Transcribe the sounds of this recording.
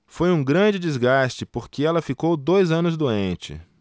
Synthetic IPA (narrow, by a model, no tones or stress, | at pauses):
fojũɡɾɐ̃d͡ʒɪd͡ʒizɡast͡ʃɪpoɾkɪɛlɐfikowd̪ojzɐ̃nʊzd̪uẽnt͡ʃɪ̰